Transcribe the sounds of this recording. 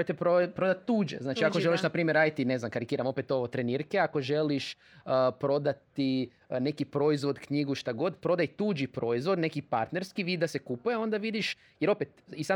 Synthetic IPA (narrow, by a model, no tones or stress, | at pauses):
jt̪epopɾod̪at̪ːuːd͡ʒḛznaːt͡ʃiakoʒeliʃnapɾiːmjeɾaːd̪it̪ine̞znamkaɾikiːɾamo̞pet̪o̞ʋot̪ɾeniɾkeako̞ʒe̞liʃ | pɾo̞d̪at̪i | ne̞kipɾo̞izʋo̞d̪kɲiɡuʃt̪aɡo̞d̪pɾo̞d̪ajt̪uːd͡ʒipɾo̞izʋo̞d̪ne̞kipaɾt̪ne̞ɾskiʋiːd̪d̪ase̞kupujeo̞nd̪aʋid̪iʃ | jeɾo̞pet̪isa